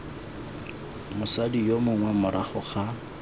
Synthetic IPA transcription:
mʊsadijomʊŋwɛmʊɾʔaχʊχa

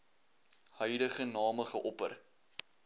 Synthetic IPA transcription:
hœjləχənɑːməχəʔɔpə̰r

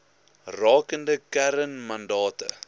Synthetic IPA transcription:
rɑːkəndəkæɾənmɐndɑːtə̰

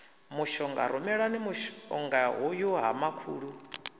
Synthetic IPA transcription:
muʃɔŋɡa̰ɾumɛɺanimuʃɔ̰ŋɡaɦujuɦa̰makʰuːɺu

